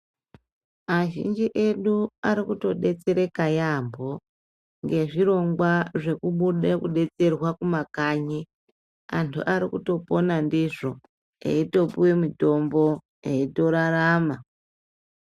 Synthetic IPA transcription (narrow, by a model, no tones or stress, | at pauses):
maʒḭnd͡ʒiʔe̞ɗuaɾikuto̞ɗe̞t͡se̞ɾekajambo̞ | ŋɡe̞ʐiɾo̞ŋɡwaʐe̞kuɓuɗekuɗe̞t͡se̞rwakumakaɲi | antʰṵʔaɾikuto̞po̞nandiʐo̞ | ḛito̞puwemito̞mbo̞ | eito̞ɾaɾaːma